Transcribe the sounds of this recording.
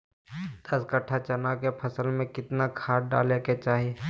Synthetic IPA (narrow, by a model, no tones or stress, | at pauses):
d̪̥ɐskəʈʰat͡ʃɐnakepʰɐsəlmẽkɪt̪nakʰaːʈɖa̰ːleket͡ʃaːɦie